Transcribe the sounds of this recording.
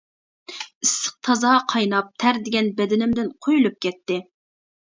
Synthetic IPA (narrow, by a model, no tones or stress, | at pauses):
isːɨ̥q̚t̪ʰɑzɑːqʰɑjnɑp̚t̪ʰæɾd̪ɪɡʲɛnbɛd̪ɪnɪmd̪ɪnqʰojulˠup̚kʲɛt̪ːɪ